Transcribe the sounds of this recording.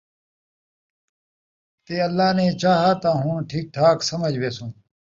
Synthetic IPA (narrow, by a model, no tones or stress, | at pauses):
t̪eːɐlːaːnẽːt͡ɕaːɦat̪ãːɦũːʈʰiːk̚ʈʰaːksɐmɐd͡ʑʋeːsũː